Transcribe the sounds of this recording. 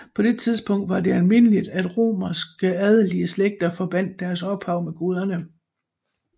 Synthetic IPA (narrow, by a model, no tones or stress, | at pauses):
pʰɒ̽d̥e̝t͡sʰiðˠsb̥ɔ̽ŋ̰d̥ʋɑ̈de̝ælme̝n̰əlid̥æd̥ʁo̝̰ːmɐsɡ̥əæð̞ˠəliəsleɡ̥̚d̥ɐfɒ̽b̥æn̰d̥ːæɐsɒ̽b̥hɑ̈ʊ̰meɡ̥uð̞ˠɐnə